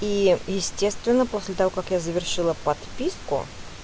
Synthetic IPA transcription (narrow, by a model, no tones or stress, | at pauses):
ijɪsʲtʲe̞st̪vʲɪnːəpo̞sʲlʲɪt̪ɐvo̞kɐkjazəvʲɪrʂɨlˠəpɐt̪pʲiskʊ̰